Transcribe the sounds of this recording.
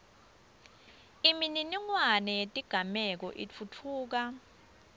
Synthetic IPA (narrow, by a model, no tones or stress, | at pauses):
imininiŋwanɛjetʼiɡ̥ʱamɛk̬ɔʔit͡fʰutʰuːk̬a